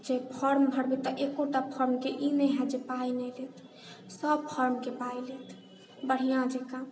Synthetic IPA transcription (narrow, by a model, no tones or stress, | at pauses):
d͡ʒepʰɔɾmbʱəɽbet̪ɔʔekoʈapʰɔɾmkeʔinɛɦɛ̃d͡ʒepainɛlet̪ʰ | səb̚pʰəɾmkepailet̪ʰ | bəɽ̤ijãd͡ʒekã